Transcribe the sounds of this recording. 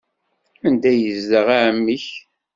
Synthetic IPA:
ænd̪æjəzdəʁaʕəmːiç

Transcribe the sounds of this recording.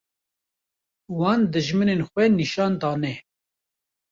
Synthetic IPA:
wɑːnd̪ɨʒmənenxʷɛniʃɑːnd̪ɑːnɛ

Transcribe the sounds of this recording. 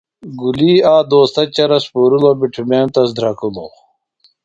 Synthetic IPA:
ɡuliːaːd̪oːst̪ɐt͡ɕɐɾɐspuːɾulobiʈʰumeːmt̪ɐsd̪ɾɐkulo̰

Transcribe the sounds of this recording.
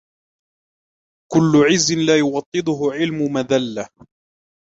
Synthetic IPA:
kʊlːʊʕɪzːɪnlaːjʊwɑt̪ˤːɨd̪ˤʊɦʊʕɪlmʊmaðalːa

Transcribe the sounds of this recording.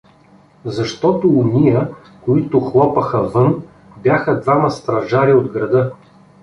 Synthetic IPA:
zɐʃt̪ɔt̪ʊːnʲijə | koit̪ʊxlˠɔpəxəvɤn | bʲjaxəd̪vamɐst̪ɾɐʒaɾiod̪ɡɾɐd̪ɤ

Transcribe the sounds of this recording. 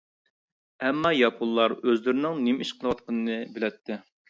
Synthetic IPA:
ɛmːɑjɑpʰulːˠɑɾøzlɪɾɪnɪŋnɪmiʃqʰəlˠwɑt̪̚qʰənɨnɨbɪlɛt̪ʰːɪ

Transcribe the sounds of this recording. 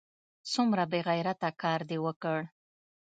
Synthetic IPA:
sumɾabeɣajɾat̪akɑɾd̪ewəkəɽ

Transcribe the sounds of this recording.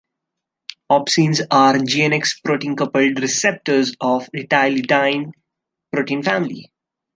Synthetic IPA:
ɔːpsĩːnzaːɾd͡ʒiːẽnekspɾoːʈĩːnkʌpəlɖɾɪsep̚ʈəɾzɔːʋɪʈaɪliɖãɪ̃n | pɾoːʈĩːnfæ̃ːmɪlḭ

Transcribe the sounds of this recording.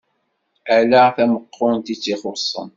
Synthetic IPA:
ælæθæməqːʊnt̪it͡sːiχʊsˤːə̰n

